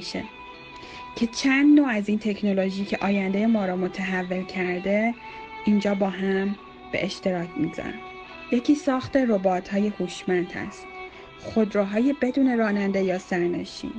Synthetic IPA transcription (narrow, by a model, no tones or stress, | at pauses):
ʃḛ | cʰe̞t͡ʃʰænd̪noːæziːnt̪ʰe̞cʰno̞loʒiːcʰe̞ʔɒːjænd̪ejemɒːɾɒːmo̞t̪ʰeɦævːe̞lcʰæɾd̪e̞ | ind͡ʒɒːbɒːɦæm | b̥e̞̰ʔeʃt̪e̞ɾɒːcʰmizæ̰næ̰ | je̞cʰiːsɒːxt̪e̞ro̞bɒːt̪ʰhɒːje̞huːʃmænd̪hæ̰st̪ | xo̞d̪ɾɒːɦɒːje̞be̞d̪uːne̞ɾɒːnænd̪e̞jɒːsæɾne̞̰ʃḭːn